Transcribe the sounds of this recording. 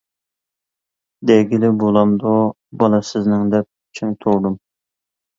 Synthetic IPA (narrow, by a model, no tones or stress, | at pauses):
d̪ɛɡʲilɪbolˠɑmd̪o | bɑlˠɑsɪznɪŋd̪ɛp̚t͡ʃʰyŋt̪ʰowd̪um